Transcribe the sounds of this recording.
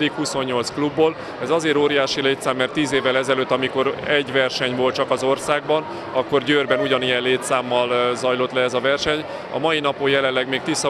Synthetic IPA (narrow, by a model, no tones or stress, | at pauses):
d̪ikhuso̞ɲːo̞lt̪sklubːoːl | ɛzɒzeːɾoːɾijaːʃileːt̪saːmːɛrt̪ːiːzeːvːɛlɛzɛløːt̪ːɒmiko̞ɾɛɟʋɛrʃɛɲvo̞l̚t͡ʃɒkɒzo̞rsaːɡ̚bɒn | ɒkːo̞rɟøːrbɛnuɟɒnijɛnleːt̪saːmːɒlzɒjlo̞t̪lɛɛzɒvɛrʃɛɲ | ɒ̰mɒjinɒpojɛlɛlːɛɡmeːk̚t̪isːɒ